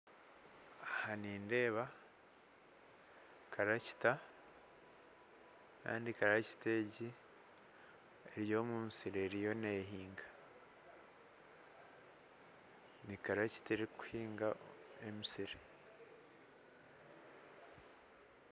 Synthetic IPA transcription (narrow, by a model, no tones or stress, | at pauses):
ahaniːnde̞ːβa | kʰaɾaci̥ta | ka̰ːndikaɾaci̥te̞ɟi | eɾjo̞ːmumisiɾeɾijo̞neːɦiːŋɡḁ | nikaɾaci̥teɾiku̥hiːŋɡaemisiɾe